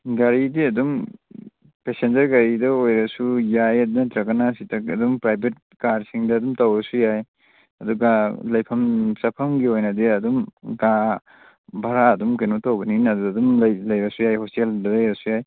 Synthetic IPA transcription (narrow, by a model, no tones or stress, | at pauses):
ɡaɾidiɐdum | pesend͡ʒɐɾɡaɾidɐojɾɐsujajɐdnɐtɾɐkːanasitʰɐkɐdumpɾajbʰʱet̚kaɾɾsiŋdɐːdumtɐwɐsujaj | ɐduɡalɐjpʰɐmsɐpʰɐmɡiojnɐdiɐdumɡa | bʱɐɾaɐdumkɐnutɐwbɐninɐduɐdumlɐjlɐjbɐsujajhosteldɐlɐjɾɐsujaj